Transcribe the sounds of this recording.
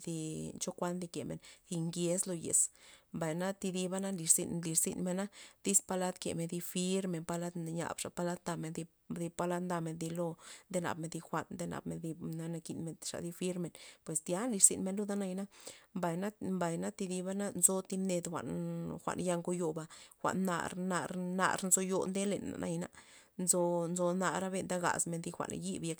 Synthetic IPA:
d̪i˧t͡ʃo˦kʷa˦nd̪i˧ke˨mḛ˨nθi˧ŋɡe˧˦slo˧jḛ˨smba˨jna˦t̪i˧d̪i˧ba˦na˦nli˧ʂz̥ḭ˧nli˧ɾzḭ˧nme˧na˦d̪i˦spa˧la˦d̪kḛ˨me˧nd̪i˧fi˦ɾme˧˨npa˧la˦d̪ɲa̰˨bʂa̰˨pa˦la˦d̪nd̪a˧me˧nd̪i˧ | d̪i˧pa˧la˦d̪nd̪a˧me˧nd̪i˧lo˦nd̪e˦na̰˨bme˧d̪i˧xʷa˧nd̪e˧na̰˨bme˧nd̪i˧na˦na˧ki˧˨nme˧ʂa̰˨d̪i˧fi˦ɾme˧npwe˨sd̪ja˦nli˧ʂz̥ḭ˧nme˧nlu˦d̪a˦na˧jna˦mba˨jna˦mba˨jna˦t̪i˧d̪i˧ba˦na˦nzo˧t̪i˧mne˧d̪xʷa̰˧ʔnxʷa̰˨ʔnja˧ŋɡo˧jo˧ba˧xʷa̰˨ʔnːa̰˧ɾna̰˧ɾna̰˧ɾnzo˧jo˧nd̪e˦le˨na̰˨nʔa̰˧jna̰˧ | nzo˧nzo˧na˧ɾa˦be˧nd̪a˦ɡa̰˨sme˧nd̪i˧xʷa̰˨n̰˧ji˦bje˧k

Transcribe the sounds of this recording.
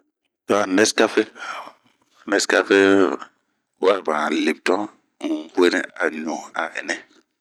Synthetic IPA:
tɔ˦a˨nɛ˦ska˦fe˦ | nɛ˦ska˦fe˦ | wa˦˨ɾba˨le˨p̚tɔ˦˨ | kwe˦nɛ˦a˨ɲo˨a˨ɛ̰˨nɛ˦

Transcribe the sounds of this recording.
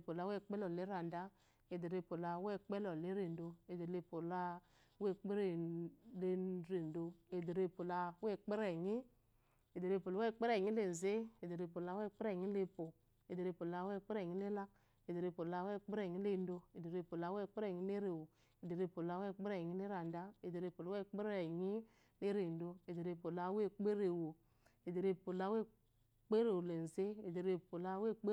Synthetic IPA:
po˨la˨˦wɛ˦˨k͡pɛ˦lɔ˨le˨˦ɾa˨n˨da˦ | e˨de˨ɾe˧po˨la˨˦wɛ˦k͡pɛ˦lɔ˨le˦ɾe˨n˨do˧e˨de˨le˦po˨la˦ | we˦˨k͡pe˦ɾe˨le˧ɾe˨n˨do˧e˨de˨ɾe˦˨po˨la˧wɛ˦˨k͡pe˦ɾɛ˨ɲi˦ | e˨de˨ɾe˧˦po˨la˨˦ɛ˦˨k͡pe˦ɾɛ˦˨ɲi˦le˨n˨ze˦e˨de˨ɾe˨po˨la˨˦wɛ˦˨k͡pe˦ɾɛ˨ɲi˦le˦po˨ | e˨de˨ɾe˨po˨la˦wɛ˦˨k͡pe˦ɾɛ˨ɲi˦le˦la˦k̚ | e˨de˨ɾe˨po˨la˦we˦˨k͡pe˦ɾe˨ɲi˦le˦˨n˦do˧e˨de˨ɾe˨po˨la˦we˦˨k͡pe˦ɾe˦˨ɲi˦le˦ɾe˨wo˨ | e˨de˨ɾe˨po˨la˦we˦˨k͡pe˦ɾe˨ɲi˦le˦ɾa˨n˨da˦e˨de˨ɾe˨po˨lo˦e˦˨k͡pe˦ɾe˨ɲi˦ | le˦ɾe˨n˦do˨e˨de˨ɾe˨po˨la˨˦we˦˨k͡pe˦ɾe˨wo˨ | e˨de˨ɾe˨po˨la˦we˦ | k͡pe˦ɾe˨wo˨le˨n̩˨ze˦e˨de˨ɾe˨po˨la˦we˦˨k͡p

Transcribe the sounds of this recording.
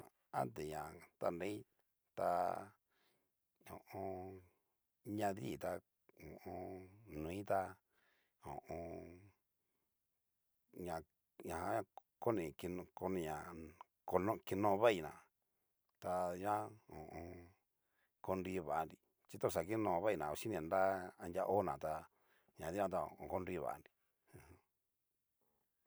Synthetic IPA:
a̰˦nt̪e˨ɲã˨t̪a̰˧nɾe˦i˦ | t̪a̰˧ | õ˨ʔõ˧ | ɲã˧ðḭ˦˨t̪a˧ | õ˨ʔõ˧nũ˨ĩ˦t̪a˧ | õ̰˨ʔõ˧ | ɲã˨ | ɲã˨hã˧˦ã˧ko˦nĩ˨˧ki˧ñ˧ko˧nĩ˧ɲã˨ | ko˧nõ˦˧ki˧nõː˧βa˦i˧nã̰˨ | t̪a˧ɲã˦õ˨ʔõ˧ | ko˧nɾi˧βa˨a˧nɾi˧ | t͡ʃi˦t̪o˦˧˨s̬a˨ki˦nõː˧˨˧βa˦i˧˨nã˨o˧ʃi˦nĩ˧˨nɾa˦a˧ndʲa˧˦ʔo˦nã˨t̪a˧ | ɲã˨ði˦ã˧t̪̬a˧o̰˨õ˧ko˦˧nɾi˧βa̰˨ʔa̰˧nɾi˧ | ũ˧˨h

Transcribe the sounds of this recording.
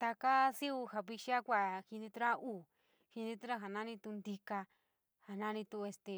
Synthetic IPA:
t̪a˧ka˦si˦u˧ha˧βi˧ʃi˦a˦kʷa˧˨hi˧nĩ˧t̪u˦ɾa˦uː˦˨ | hi˧nĩ˧t̪u˦ɾa˦ɦa˨nã˦nĩ˧t̪u˧nd̪i˧ka˧ | ha˨nã˦˧nĩ˧t̪u˧e˧st̪e˧

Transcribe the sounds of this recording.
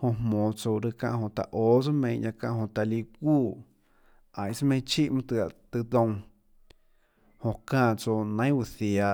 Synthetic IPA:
hõ˧hmõː˨t͡so˧wɾɨ˧kã̰˧ʔhõ˧˨t̪a̰˨ʔoː˨˦t͡so˦mẽ˧˨ʔjã˧kã˧ʔɦõ˧˨t̪a˨li˧kʷuː˦˨ | ã˨j̃smẽ˧˦t͡ʃi˦ʔmɨ̃˧t̪ɨ˧a˧˨t̪ɨ˧d̪õ˧w̃ | hõ˧kãː˧˨t͡so˧nã˦j̃wu˧˨θja˧

